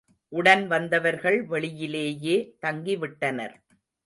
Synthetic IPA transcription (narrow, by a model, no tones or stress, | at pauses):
ʔʊɽɐnʋɐnd̪ɐʋɐɾɣɐɭʋɛɭɪjɪleːjeːt̪ɐŋɡɪʋɪʈːɐnɐ̰ɾ